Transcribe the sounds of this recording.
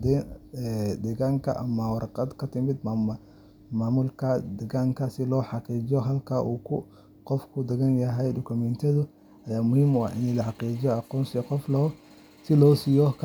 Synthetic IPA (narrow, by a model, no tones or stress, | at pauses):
d̪ɛɛd̪ɛɣaːŋkʰɐ̰ʔɐ̰mɐwɑɾɑqɑd̪kʰɐt̪ʰɪmɪd̪m | maːmʊlkʰɐd̪ɛɣaːŋkʰɐsɪlɔːħɑqiːt͡ʃɪjɔɦɐlkʰɐʔuːkʰʊ | qɔfkʰʊd̪ɛɣɐnjɐɦɛjdɔkʰʊmɛnt̪ʰɐðʊ | ʔɐjaːmʊhiːmʊɑɪnɛlɐħɑqiːt͡ʃɪjɔɑqɔːnsqɔflɔː | sɪlɔːsijɔkʰ